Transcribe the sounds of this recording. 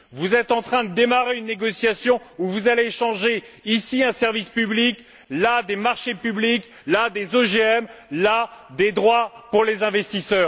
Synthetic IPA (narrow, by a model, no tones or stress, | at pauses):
vuzɛt̪ɑ̃t̪χɛ̃d̪əd̪emaʁeynːeɡɔsjasjɔ̃uvuzaleːʃɑ̃ʒeisiɛ̃sɛʁvispyblik | lad̪emaʁʃepyblik | lad̪ezoʒeɛmlad̪ed̪ʁwapuʁlezɛ̃vɛst̪isœːʁ